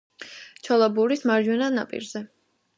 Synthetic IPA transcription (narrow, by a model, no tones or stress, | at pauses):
t͡ʃʰɔlˠabuɾismaɾd͡ʒwɛnana̰pʼḭɾzɛ